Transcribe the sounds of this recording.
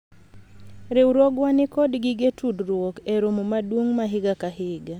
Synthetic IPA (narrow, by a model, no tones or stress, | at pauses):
ɾewɾwoɡwanɪkɔdɡɪɡetudɾwɔkeɾomomadwoŋmaɦɪɡakaɦɪɡa